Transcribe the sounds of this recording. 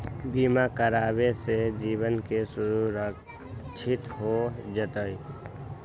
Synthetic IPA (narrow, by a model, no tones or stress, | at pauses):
biːmakəɾaːbesed͡ʒiːbənkesʊɾuɾək | t͡ʃʰɪt̪ɦod͡ʒət̪əi